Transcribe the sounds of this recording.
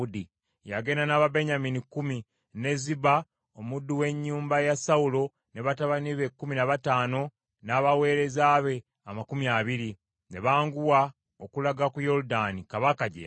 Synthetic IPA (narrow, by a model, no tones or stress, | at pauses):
udi | jaɡe̞nanaβabe̞ɲaminikːumi | ne̞ziba | omudːuwe̞ɲːuːmbajasaulo̞ | ne̞βataβaniβe̞kːuminaβataːno̞ | naβawe̞ːɾe̞zaːβe̞ | amakumjaβiɾi | ne̞βaːŋɡuwa | okulaɡakujo̞ɾudanikaβakaɟḛ